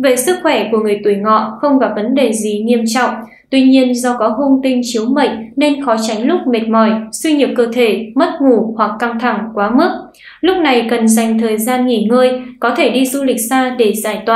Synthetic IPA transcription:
ve˨˩sɨ˦˥k̚xwɛ˧˩ku˧˩əŋɨ˨˩əjt̪u˧˩əjŋɔ̰˧˨xə˧wŋ͡mkɔː˨˦və˨˦nɗe˨˩zi˨˩ɲi˧əmt͡ɕɔ̰˧˨wŋ͡m | t̪wi˧ɲi˧ənzɔ˧kɔ˨˦ɦu˧ŋt̪ï˧ŋ̟t͡ɕi˨˦əwmə˧˨j̚ne˧nxɔ˨˦t͡ɕa˨˦jŋ̟lʊ˦˥k͡p̚me˨˩t̚mɔ˧˩jswi˧ɲi˨˩əp̚kəː˧t̪ʰe˧˩mə˦˥t̚ŋu˧˩hwa˨˩kːa˧ŋt̪ʰa˧˩ŋkwaː˨˦mɨ˦˥ək̚ | lʊ˦˥k͡p̚na˨˩jkə˨˩nza˨˩jŋ̟t̪ʰəː˨˩jzaː˧nŋi˧˨˩ŋəː˧jkɔ˨˦t̪ʰe˧˩ɗi˧zu˧lï˨˩k̟̚saː˧ɗe˧˩zaː˧˩jt̪waː˨˩

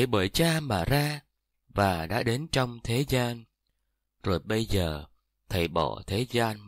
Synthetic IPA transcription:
jɓəː˧˩jt͡ɕaː˧maː˨˩zaː˧ | vaː˨˩ɗa̰ː˧˥ɗe˨˦nt͡ɕɔ˧wŋ͡mt̪ʰe˨˦zaː˧n | zo˨˩jɓə˧jzəː˨˩ | t̪ʰə˨˩jɓɔ̰˧˩˨t̪ʰe˨˦zaː˧n

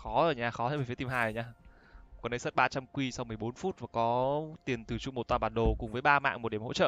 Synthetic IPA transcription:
xɔ˨˦zo˨˩jɲaː˧˩xɔ˨˦t̪a˧˦və˨˩ft̪i˧mɦhaː˨˩jɲaː˧ | kɔ˨˩nɗə˨˦jsə˦˥t̚ɓaː˧t͡ɕa˧mkwi˧sa˧wŋ͡mmɨ˨˩əjɓo˨˦nfu˦˥t̚vaː˨˩kɔ˨˦t̪i˨˩ənt̪ɨ˨˩t͡ɕṵ˧˨m˨˩t̪waː˧˩ɓaː˨˩ɗo˨˩kʊ˨˩ŋ͡mvəː˨˦jɓaː˧ma̰ː˧˨ŋm̚˨˩ɗi˧˩əho̰˧˥t͡ɕə̰ː˧˨

